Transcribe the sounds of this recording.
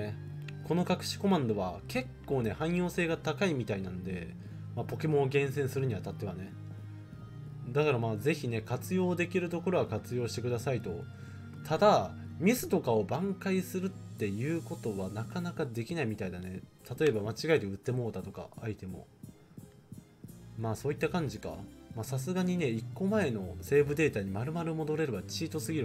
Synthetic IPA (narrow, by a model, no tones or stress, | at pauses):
kʰo̞no̞kakɯ̟̥ɕi̥ko̞mãnd̪o̞βake̞kːo̞ːne̞hãɰ̃jo̞ːse̞ːɡat̪akaimʲit̪ainãnod̪e̞ | mapo̞ke̞mõɡẽ̞ɰ̃sẽɰ̃sɨɾɯ̟ɲ̟iβat̪at̪ːe̞βane̞ | d̪akaɾamaːze̞çine̞kat͡sɨjo̞ːd̪e̞kʲiɾɯ̟t̪o̞ko̞ɾo̞ɡakat͡sɨjo̞ːɕi̥t̪e̞kɯ̟d̪asait̪o̞ | t̪ʰad̪amʲisɨ̥t̪o̞kao̞bãŋkaisɨɾɯ̟t̪ːe̞jɯ̟ːko̞t̪o̞βanakanakad̪e̞kʲinaimʲit̪aid̪ane̞t̪at̪o̞e̞bamat͡ɕiɡaet̪eɯ̟t̪ːe̞mo̞ːt̪at̪o̞ka̰ait̪e̞mo̞̰ | maːso̞ːit̪ːakãɲ̟d͡ʑika̰maːsasɨɡaɲ̟ine̞ikːo̞mae̞no̞se̞ːbɯ̟d̪e̞ːt̪aɲ̟imaɾɯ̟maɾɯmo̞d̪o̞ɾe̞ɾɯ̟βat͡ɕiːt̪o̞sɨɡʲiɾɯ